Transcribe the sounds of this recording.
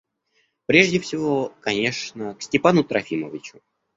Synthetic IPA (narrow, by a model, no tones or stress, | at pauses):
pɾʲe̞ʐdʲɪfsʲɪvo̞kɐnʲe̞ʂnəksʲtʲɪpanʊt̪ɾɐfʲiməvʲɪt͡ɕʊ̥